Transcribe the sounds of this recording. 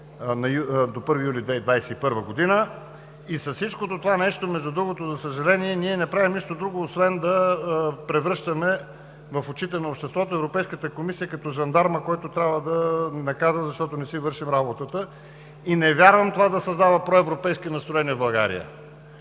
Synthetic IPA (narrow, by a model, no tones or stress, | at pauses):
nɐjud̪opɤɾvijulid̪vɛid̪vajsɛipɤɾvəɡod̪inə | isɐssit͡ʃkot̪ot̪ovanɛʃt̪omɛʒd̪ud̪ɾuɡot̪ozɐsəʒɐlɛniɛniɛnɛpɾavimniʃt̪od̪ɾuɡoːsvɛnd̪ɐpɾɛvɾɤʃt̪əmɛ | vɐfott͡ʃit̪ɛnɐopʃt̪ɛst̪vɔt̪oɛvɾopɛjskət̪əkomisijəkɐt̪ɔʒɐnd̪aɾməkɔjt̪ot̪ɾʲabvəd̪ɐnɐkazəzɐʃt̪ɔt̪onɛsivɤɾʃimɾabot̪ət̪ə | inɛvʲjaɾvəmt̪ovad̪ɐsɐzd̪avəpɾɔɛvɾopɛjskinɐst̪ɾoɛniəvblˠɐɡa̰ɾḭjə̰